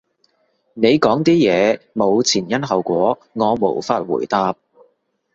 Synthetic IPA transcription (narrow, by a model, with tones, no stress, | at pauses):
ne˨˧jkɔː˨˥ŋt̪iː˥jɛː˨˧mo˨˧wt͡sʰiː˨˩njɐ˥nɦɐ˨wkʷɔː˨˥ŋɔː˨˧mo̰˨˩wfaː˧t̚wṵː˨˩jt̪aː˧p̚